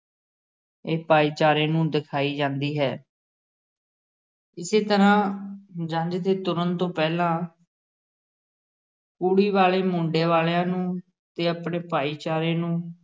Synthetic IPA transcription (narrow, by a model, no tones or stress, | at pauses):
eːpaːiːt͡ʃaːɾeːnũːd̪ɪkʰaːiːd͡ʒãːnd̪iːɦɛː | ɪseːt̪əɾãːd͡ʒə̃ɲd͡ʒd̪eːt̪ʊɾənt̪õːpɛːlãː | kuːɽiːʋaːleːmʊ̃ːɳɖeːʋaːlejãːnũː | t̪eːəpɳeːpaːiːt͡ʃaːɾeːnũː